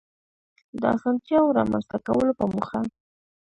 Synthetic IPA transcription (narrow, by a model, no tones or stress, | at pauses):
d̪əa̰sɑnt̪jɑwoɾɑ̰ma̰nzt̪akawəlopəmuxa